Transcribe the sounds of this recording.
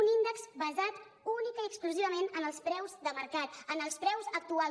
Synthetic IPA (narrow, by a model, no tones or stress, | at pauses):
unind̪əkzbəzat̪ | unikəiəkskluziβəmenənəlˠspɾɛwzðəməɾkat̪ənəlˠspɾɛwzək̚t̪ua